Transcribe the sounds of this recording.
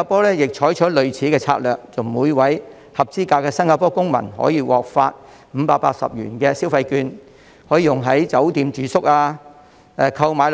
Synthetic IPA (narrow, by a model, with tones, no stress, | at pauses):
aː˧pɔː˥lɛː˥jɪ˨k̚t͡ʃʰɔː˨˥jt͡ʃʰɔː˨˥lɵ˨ɥt͡sʰiː˨˥kɛː˧t͡sʰa̰ː˧t̚lœː˨k̚t͡sʊ˨wmuː˨˧jwɐ˨˥j | hɐ˨p̚t͡siː˥kaː˧kːɛː˧sɐ˥nŋkaː˧pɔː˥kʊ˥ŋmɐ̰˨˩nhɔ̰ː˨˥jiː˧wɔ̰ː˨k̚fa̰ː˧t̚ | m̩ː˨˧˦paː˧k̚paː˧k̚sɐ̰˨p̚jy̰ː˨˩nkɛː˧si˥wfɐ˧jkyː˧n | hɔː˨˥jiː˧jʊ˨˩ŋɦɐ˨˥jt͡sɐ˨˥wt̪iː˨˧mt͡ʃyː˨sʊ˥k̚aː˧ | ɛ˧kʰɐ˧wmaː˨˧jl